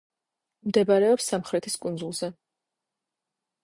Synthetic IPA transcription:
md̪ɛbaɾɛɔpsːamχɾɛt̪ʰiskʼund̪zulˠz̥ɛ

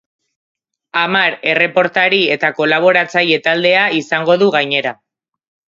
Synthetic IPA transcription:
amaɾe̞re̞po̞ɾt̪aɾie̞t̪ako̞laβ̞o̞ɾat͡saje̞t̪ald̪e̞aisaŋɡo̞ðuɣajɲe̞ɾa

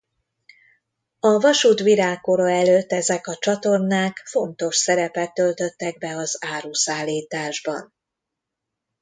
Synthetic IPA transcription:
ɒvɒʃuːt̪ʋiɾaːkːoɾoɛløːt̪ːɛzɛkɒt͡ʃɒt̪o̞rnaːkfo̞nt̪o̞ʃsɛɾɛpɛt̪ːø̞lt̪ø̞t̪ːɛɡ̚bɛɒzaːɾuːsaːlːiːt̪aːʒbɒ̰n

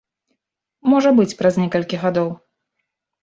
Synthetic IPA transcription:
mɔʐɐbɨt͡sʲpɾɐznʲɛkɐlʲkʲiɣad̪ɔw

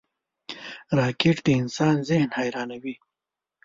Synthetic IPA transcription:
ɾɑːkeʈd̪əɪnsɑːnzɪhnhaːjɾɑːnawi

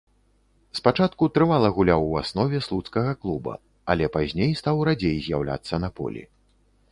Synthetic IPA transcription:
spat͡ʂat̪̚kut̪ɾɨvalˠɐɣulʲawuasnɔvʲɛslˠut̪skɐɣɐklˠubɐ̰ | ɐlʲɛpazʲnʲejst̪awɾad͡zʲejzʲjawlʲa̰t̪sːɐnɐpɔ̰lʲḭ

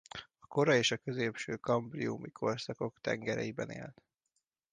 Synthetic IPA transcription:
ɒko̞ɾɒeːʃɒkø̞zeːpʃøːkɒmbriumikʰo̞rsɒko̞kt̪ɛ̰ŋɡɛɾɛ̰jibɛnḛːlt̪

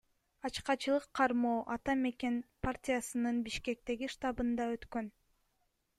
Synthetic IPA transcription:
ɑt͡ʃqɑt͡ʃɯlˠɯqʰːɑɾmoːʔɑt̪ɑme̞ke̞npartʲijasɯnɯnbiʃke̞k̚t̪e̞ɡiʃt̪ɑbɯnd̪ɑø̞t̪kø̞n

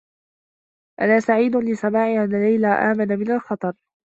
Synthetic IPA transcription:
ʔanaːsaʕiːd̪ʊlɪsamaːʕiʔanːalajlaːʔa̰ːmanamɪnalxɑt̪ˤɑɾˤ

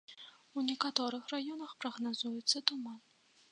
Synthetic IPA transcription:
wnʲɛkat̪ɔɾɨxrajɔnɐxpɾɐɣnazujɛt̪sːɐt̪uman

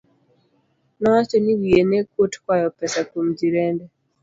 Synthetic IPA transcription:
nɔwat͡ʃɔniwijɛnɛkutkwajɔpɛsakum̩d͡ʒiɾɛndɛ

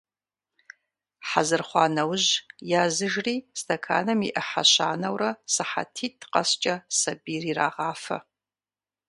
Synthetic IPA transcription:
ħazɨrχʷanɐwʒjazɨʒriːstʰɐkʰa̰ːnɐmḭʔɐħa̰ʃa̰ːnɐwrɐsɨħa̰tʰitʰqʼɐ̰st͡ʃʼɐsabirira̰ʁaːfɐ̰

